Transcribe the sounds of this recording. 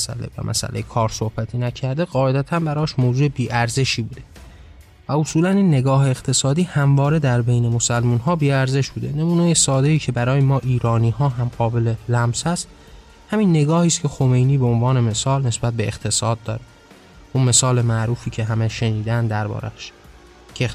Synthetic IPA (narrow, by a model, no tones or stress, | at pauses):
sæ̰lḛvæ̰mʔæ̰sæ̰lʔejekʰɒːɾso̞hbæt̪ʰinæcʰæɾd̪e̞ɢɒːe̞d̪æt̪ʰænbæɾɒːʃmoːzuːebiːʔæɾze̞ʃiːbuːd̪e̞ | væosuːlæninːe̞ɡɒːɦeːxt̪ʰe̞sɒːd̪iːhæmvɒːɾe̞d̪æɾbe̞jne̞mo̞sælmuːnɦɒːbiːæɾze̞ʃbuːd̪e̞ne̞muːnejesɒːd̪e̞iːcʰe̞bæɾɒːjemɒːʔiːɾɒːniːɦɒːɦæmɢ̥ɒːbe̞lelæmsæst̪ | hæminːe̞ɡɒːhiːst̪cʰe̞xo̞me̞jniːbeonvɒːne̞me̞sɒːlne̞sbæt̪̚beːxt̪ʰe̞sɒːd̪̚d̪ːɒ̰ːɾe | ʔunme̞sɒːle̞mæʔɾuːfiːcʰe̞ɦæmeʃe̞niːd̪ænd̪d̪æɾbɒ̰ːɾæ̰ʃ | kʰe